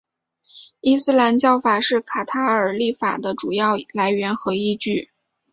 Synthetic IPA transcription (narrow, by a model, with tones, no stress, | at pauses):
i˥˧sɹ̩˥la˧˥nt͡ɕjɑ˥˩ʊfa˨˩ʂɻ̩˥˩kʰa˨˩t̪ʰa˥ə˞˨˩li˥˩fa̰˨˩d̪ə˦ʈ͡ʂu˨˩jɑ˥˧ʊla˧˥ɪɥɛ˧˥nxɤ˧˥i˥˧t͡ɕy˥˩